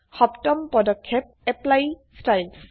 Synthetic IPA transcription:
hɔptɔmpɔdɔkʰːɛp̚ɛplajstajls

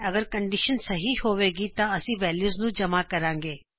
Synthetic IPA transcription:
ɐɡəɾkɐ̃ɳɖɪʃənsɐɦihoːʋeːɡit̪ãɐsĩʋɛːljuːznũd͡ʒɐmakɐɾãːŋɡeː

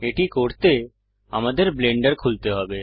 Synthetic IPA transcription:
eʈikoɾt̪e | a̰mad̪eɾbleɳɖeɾkʰult̪eɦɔbe

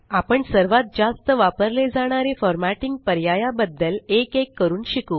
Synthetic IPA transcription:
apəɳsəɾʋat̪̚d͡zast̪əʋapəɾled͡zaɽ̃aɾefɔɾmæʈiŋɡ̚pəɾjajabəd̪ːəlekekːəɾuːnɕiku

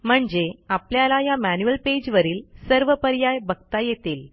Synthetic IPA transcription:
m̤əɳd͡zeapljalajamænjuəlped͡ʑʋəɾiːlsəɾʋəpəɾjajbʱəɡ̚t̪ajet̪iːl

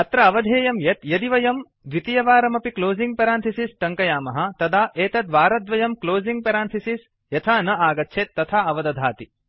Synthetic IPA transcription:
ɐt̪ɾɐɐʋɐd̪ʱeːjɐmjɐt̪jɐd̪iʋɐjɐm | d̪ʋit̪ijɐʋaːɾɐmɐpikloːziŋɡ̚pɐɾaːnt̪ʰisisʈɐŋkɐjaːmɐɦɐt̪ɐd̪aːʔeːt̪ɐt̪ʋaːɾɐd̪ʋɐjɐmkloːziŋɡ̚pɐɾaːnt̪ʰisis | jɐt̪ʰaːnɐaːɡɐtːʃʰeːt̪ːɐt̪ʰaːɐʋɐd̪ɐd̪ʱaːt̪i

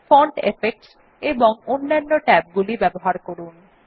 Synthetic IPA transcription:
foɳʈḛfek̚ʈs | eboŋonːanːoʈɛp̚ɡulibɛboɦaɾkoɾun

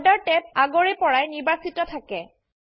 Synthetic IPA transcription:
daɹtɛp̚aɡɔɹɛpɔɹajniɹbasitɔtʰakɛ

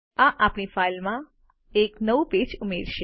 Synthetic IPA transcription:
aʔapɳifailmã | eknəʋuped͡ʒumeɾʃe

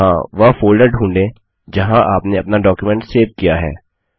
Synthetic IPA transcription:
ãʋɐfoːlɖəɾɖʱũːɳɖẽ | d͡ʒɐɦãʔaːpneɐpnaɖɔːkjumɛ̃ɳʈseːʋkijaɦɛ̰ː

